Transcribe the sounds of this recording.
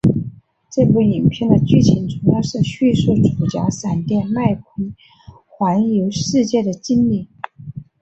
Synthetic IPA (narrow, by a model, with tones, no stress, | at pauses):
ʈ͡ʂɤ˥˧pu˥˩i˨˩npʰjɛ˥˩nd̪ə˩t͡ɕy˥˩t͡ɕʰi˧˥nt͡sʊ˧˥ŋjɑ˥˧ʊʂɻ̩˥˧ɕy˥˧su˥˩ʈ͡ʂʰu˨˩t͡ɕja̰˧˥sa˨˩nt̪jɛ˥˧nma˥˩ɪkʰwə˧˥n | xwa˧˥njo˧˥ʊʂɻ̩˥˧t͡ɕjɛ˥˩d̪ə˩t͡ɕi˥nli˥˩